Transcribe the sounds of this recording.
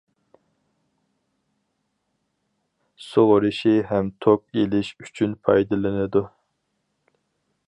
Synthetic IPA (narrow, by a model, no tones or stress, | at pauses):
soʁɾɨʃiɦɛmt̪ʰok̚elɪʃy̥t͡ʃʰynpʰɑjd̪ɨlˠɨnɨd̪u